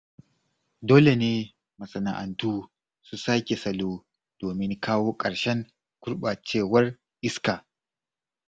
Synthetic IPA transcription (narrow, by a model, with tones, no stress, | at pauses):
doː˦le˨neː˦ | mɐ˨sɐ˨na̰˨ʔa˨ntuː˦ | su˦saː˦kʲe˨sɐ˨loː˦ | d̥oː˨mɪ˦ŋkʰaː˦woː˦kʼɐ˨ɽʃɛ˦ŋ | kʊ˦ɾɓaː˨t͡ʃeː˦˨wɐ˦r | ʔɪ˦skaː˨